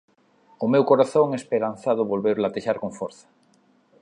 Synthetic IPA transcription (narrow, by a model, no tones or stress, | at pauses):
ʊmewkoɾaθoŋespeɾan̟θaðʊβolβeɾlat̪eʃaɾkoŋfoɾθḁ